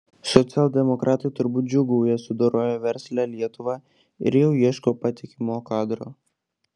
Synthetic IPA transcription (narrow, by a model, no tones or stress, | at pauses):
sɔt̪sʲɛlˠd̪ʲɛmɔkɾʔɑːt̪ɐɪt̪ʊɾbuːt̪̚d͡ʒʲʊɡuʊjɛsʊd̪oːɾoːjoːʋʲɛɾʲsʲlʲæːlʲiɛt̪ʊʋɑː | ɪ̰ɾjɛʊjiɛʃkoːpɐt̪ʲɪkʲɪmoːkɑːd̪ɾoː